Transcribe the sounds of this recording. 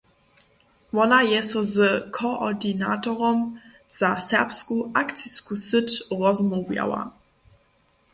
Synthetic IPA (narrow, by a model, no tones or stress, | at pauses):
vɔnajɛsəzəkʰoʔɔdina̰tɔʁɔm | z̥asɛɐpskuʔakt͡siskusɪtʁɔzmɔvja̰wa̰